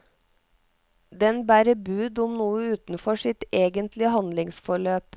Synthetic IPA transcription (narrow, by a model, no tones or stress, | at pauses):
d̪ɛnbæːɾəbʉːd̪ʊmnuːəʉːt̪n̩fɔʃɪt̪eːɡənt̪lɪəhɑnd̪lɪŋsfɔɭøːp